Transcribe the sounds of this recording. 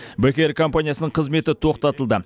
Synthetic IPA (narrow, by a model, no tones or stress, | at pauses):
bækʲe̞ɾkʰo̞mpanijasənəɴqʰəzme̞t̪ɪt̪ʰo̞qt̪ɑt̪əlˠd̪ə